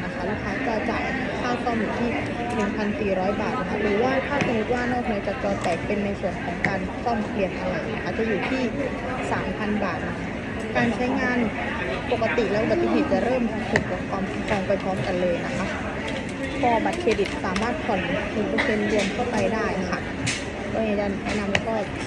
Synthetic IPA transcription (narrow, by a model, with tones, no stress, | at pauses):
na˦˥kʰa˦˥lu˦˥kʰːaː˦˧˥t͡ɕɔː˧t͡ɕaː˨˩j | kʰaː˥˩wkʰɔː˧˥˩mjuː˨˩t̪ʰiː˥˩ | nʰɯ˨˩˦ŋpʰa˧nsiː˨˩ɾɔː˦˥jbaː˨˩t̪̚na˦˥kʰa˦˥ɾɯː˨˦waː˥˩kʰaː˥˩sa˧nu˦˥t̪̚waː˥˩nɔː˥˩k̚nɯ˦˥ɐt͡ɕaː˨˩k̚t͡ɕɔː˧t͡ɕɛː˨˩k̚pe˧nːa˧jsu˨˩ənkʰɔː˩˦ŋkaː˧nkʰɔ˥˩mpʰli˨˩ənʔa˧ɾa˧jna˦˥kʰa˦˥t͡ɕa˨juː˨˩t̪ʰiː˥˩ | saː˩˦mpʰa˧nbaː˨˩t̪̚na˦˥kʰa˦˥kaː˧nt͡ɕʰa˦˥jŋaː˧n | po˨˩kːa˧˥t̪i˨˩lɛː˦˥ba˨˩t̪sʰi˧˥ɦi˨˩t̪̚t͡ɕa˨˩ɾɤː˥˩mt̪ʰuː˨˩kka˨˩p̚kʰwaː˧mkʰa˥˧˦kʰɔː˧ŋpa˧jpʰɔː˦˥mka˧nlɤː˧jna˦˥kʰa˦˥ʔ | pʰɔː˧ba˨˩t̪̚kʰeː˧bi˨˩t̪̚saː˩˦maː˥˩t̪̚kʰɔ˨˩nkʰi˧˩˦pu˧e˧nlɯ˧əmkʰa˥˩wpa˧jdaː˥˩jkʰa˦˥ | kɔː˧˩ni˧˥˩t͡ɕa˨˩mɛ̰ː˥˩na˧mlɛː˧˥kɔː˥˩b